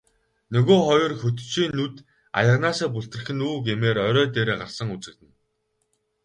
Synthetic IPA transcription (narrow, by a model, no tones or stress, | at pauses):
nɵɣoːχɔjɞ̆rxɵt̪t͡ɕiːnːut̪ | a̰jə̆ʁnaːsaːpʊɬt̪rɘ̆xɘ̆nuːɡemeːɾœɾœːt̪eːɾeːɢarsə̆ŋut͡sɘ̆k̚t̪ɘ̆n